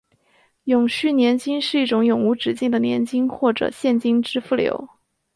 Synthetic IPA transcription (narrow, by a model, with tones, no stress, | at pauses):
jʊ˨˩ŋɕy˥˩njɛ˧˥nt͡ɕi˥ŋʂɻ̩˥˧i˥˩ʈ͡ʂʊ˧˥ŋjʊ˨˩ŋu˧˥ʈ͡ʂɻ̩˨˩t͡ɕi˥˩ŋd̪ə˩njɛ̰˧˥nt͡ɕi˥ŋxwɔ˥˩ʈ͡ʂɤ̰˨˩ɕjɛ˥˩nt͡ɕi˥ŋʈ͡ʂɻ̩˥fu˥˩ljo̰˧˥ʊ